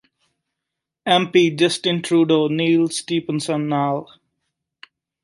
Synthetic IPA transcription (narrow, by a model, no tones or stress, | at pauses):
ɛ̃mpid͡ʒʌsʈɪ̃nʈʰɾuːɖoniːlsʈiːpə̃nsə̃nːal